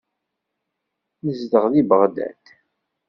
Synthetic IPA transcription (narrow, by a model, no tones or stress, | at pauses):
nəzd̪əʁðibəʁd̪æ̰t̪